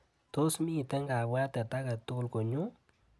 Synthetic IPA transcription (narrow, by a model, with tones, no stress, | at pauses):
to˦smiː˦˨tɛ˦ŋɡa˨wa˦tɛ˨ta˦ka˨tʊ˦kʊ˨lko˨ɲu˦